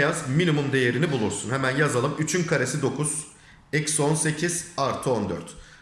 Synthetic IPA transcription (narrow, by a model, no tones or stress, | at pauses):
jazminimund̪e̞je̞ɾinibulˠuɾsunhemænjazalˠɯmyt͡ʃʰynkʰaɾesid̪o̞kʰuz̥ | ɛcso̞nse̞cʰiz̥aɾt̪ʰɯo̞nd̪øɾt̪